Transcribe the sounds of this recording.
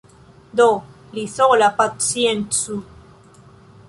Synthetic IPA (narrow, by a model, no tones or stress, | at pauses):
d̪o | liθolapat̪sient̪su